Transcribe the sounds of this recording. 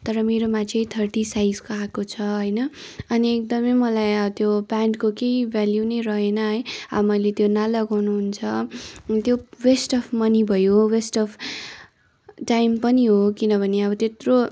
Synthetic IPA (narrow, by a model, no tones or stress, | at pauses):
t̪ʌɾʌmeɾomat͡sʰʌ̃j̃t̪ʰʌrʈisajd͡zkoakot͡sʰʌɦʌjnʌʌniek̚d̪ʌmʌjmʌlajʌt̪jobaɳɖkokeibʱaljunʌjɾʌɦenʌɦʌjʌbʌmʌjlet̪jonalʌɡawnuɦunt͡sʰʌt̪jowesʈʌpʰmʌnibʱʌjowesʈʌpʰ | ʈajmpʌniɦokinʌbʱʌneʌbʌt̪et̪ro